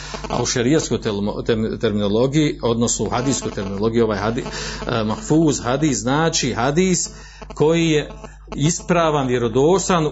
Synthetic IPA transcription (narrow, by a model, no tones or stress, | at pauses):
a̰uʃaɾijat̪sko̞jt̪et̪eɾmino̞lˠo̞ɡijio̞d̪no̞snouhad̪iːskojt̪eɾmino̞lˠo̞ɡijuo̞ʋaːjhamahfuːzhad̪iːsznaːt͡ʃiɦad̪iːs | kʰo̞jije̞ | ispɾaːʋanʋje̞ɾo̞d̪oːsan